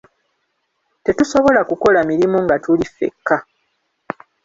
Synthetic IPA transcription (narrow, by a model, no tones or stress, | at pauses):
te̞tuso̞βo̞lakuko̞lamiɾimoŋɡatulifːe̞̰kːa